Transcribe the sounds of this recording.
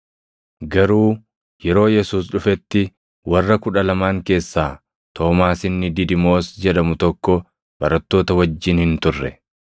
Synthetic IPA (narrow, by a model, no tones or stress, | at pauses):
ɡɐɾuː | jɛɾo̞ːjɛsuːsᶑʊfɛt̪ːɪ | wɐrːɐkʊᶑɐlɐmaːŋke̞ːsːaː | t̪ʰo̞ːmaːsɪnːɪd̪ɪd̪ɪmo̞ːsd͡ʒɛᶑɐmʊt̪ɔkːɔ | b̥ɐɾɐt̪ːo̞ːt̪ɐwɐd͡ʒːɪnhɪnt̪ʊrːɛ̰